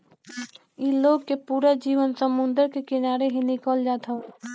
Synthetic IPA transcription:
iloːɡkepuːɾad͡ʒiːʋənsəmʊ̃nd̪əɾkekɪnaːɾeɦinɪkəld͡ʒaːt̪ʰa

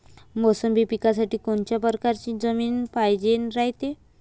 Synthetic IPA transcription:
mosəmbʱiːpikasaʈiːkoɳt͡ɕjapəɾkaɾt͡ɕiːd͡zəmiːnpajd͡ʑenɾaɦit̪e

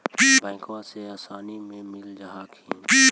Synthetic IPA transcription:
biːbɛ̃ːŋkʋãseaːsaːnimẽmɪld͡ʒaɦaːkʰĩːbiː

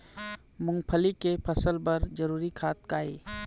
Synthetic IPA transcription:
mʊ̃ŋɡpʰəlikepʰəsəlbɐɾd͡ʒəɾuːɾikʰaːt̪̚kaːḛː

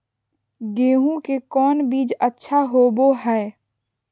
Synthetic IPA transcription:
ɡeːɦũkekɔːnbiːd͡ʒətːʃʰaɦoboɦɛː

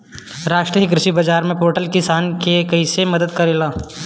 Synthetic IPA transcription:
ɾaːʃʈɾiɪkɾɪʃibɐd͡ʒaːɾmẽpoːɾʈəlkɪsaːnkekɐɪsemɐd̪əd̪kɐɾeːlaː

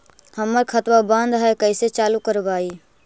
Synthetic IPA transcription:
həmːəɾkʰət̪ʋabãnd̪ɦɛkəɪset͡ʃaːlukəɾbaːiː

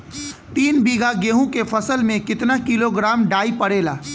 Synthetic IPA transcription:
t̪iːnbiːɡʱaɡeːɦũkefʰɐsəlmẽkɪt̪nakiloɡɾaːmɖaːipɐɽeːlaː

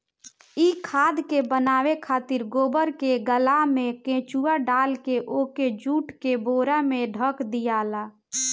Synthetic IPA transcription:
ikʰaːd̪kebənaːʋekʰaːt̪ɪɾɡoːbəɾkeɡəlamẽkẽt͡ʃuaɖalkeʔoked͡ʒuːʈkeboːɾameɖʱəkd̪ijala

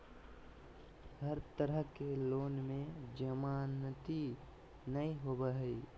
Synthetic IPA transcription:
ɦəɾt̪əɾəɦkeloːnmẽd͡ʒəmaːnət̪i | nəiɦoːbaɦi

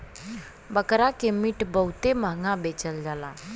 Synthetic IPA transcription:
bəkɾakemiʈbəɦut̪eməŋɡãbeːt͡ʃəld͡ʒaːla̰

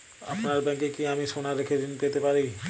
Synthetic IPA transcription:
ɐ̰pnaɾbɛ̃ːŋkekiamisonaɾɪkʰeɾinpeːt̪epaːɾe

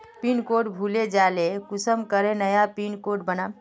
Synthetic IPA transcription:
pinkoʈbʱuled͡ʒalekusəmkəɾenəjapinkoʈ̚bəna

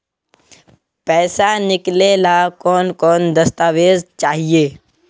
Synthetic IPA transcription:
pɛːsanɪklelakɔːnkɔːnd̪ɐst̪aːʋeːzt͡ʃaːɦieː

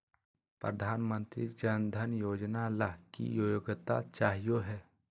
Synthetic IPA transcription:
pɾəd̪ʱaːnmə̃nt̪ɾid͡ʒənd̪ʱənjoːd͡ʒnalaɦkḭjoːjoɡt̪a̰t͡ʃaːɦijoɦɛː

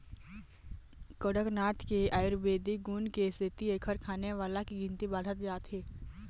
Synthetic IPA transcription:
kəɽəknaːt̪keaːɪɾbeːd̪iɡuːnkesɪt̪iekʰəɾkʰaːneʋaːlakiɡɪ̃nt̪ibaːd̪ʱət̪d͡ʒaːt̪ɦeː

